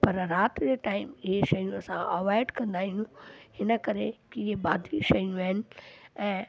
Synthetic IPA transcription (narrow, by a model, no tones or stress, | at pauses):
pɐɾɾaːt̪d͡ʑeːʈaːɪmɪɦeʃɐjũɐsãʔɐʋaːɪɖkɐ̃nd̪aːɦĩjũhɪnəkɐɾekiːɦebaːd̪iʃɐjũaɦɪnɪ̆ɛ̃ː